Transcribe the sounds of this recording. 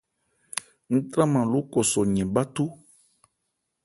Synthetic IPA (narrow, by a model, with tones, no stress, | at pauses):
ŋ̩̃˦t̪ɾã˦mã˨lu˨˦kɔ˨sɔ˨ɲɛ̃˨ba˦t̪u˦